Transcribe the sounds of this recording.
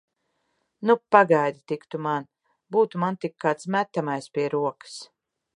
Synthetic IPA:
nupaɡajd̪ʲit̪ikt̪uman | buːt̪umant̪ikːaːt̪smæt̪ːamajspʲiɛɾuɔkɨ̥s

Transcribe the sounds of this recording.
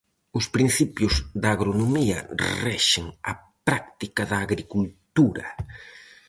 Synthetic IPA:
ʊspɾin̟θipjʊzd̪ɐːɣɾonomiɐ̰rɛʃɪŋɐ̰ | pɾak̚t̪ikɐðɐːɣɾikult̪uɾɐ̰

